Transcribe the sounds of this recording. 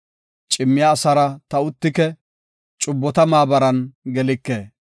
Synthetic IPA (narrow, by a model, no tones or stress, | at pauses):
t͡ʃʼɪmːɪjaːsɐɾɐt̪ɐʊt̪ːɪkɛ | t͡ʃʼʊbːɔt̪ɐmaːbɐɾɐnɡɛlɪkːeː